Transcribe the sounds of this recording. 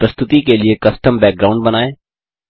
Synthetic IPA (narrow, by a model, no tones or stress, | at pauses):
pɾəst̪ʊt̪ikeliekɐsʈəmbɛːk̚ɡɾaːʊ̃ɳɖbənaːeː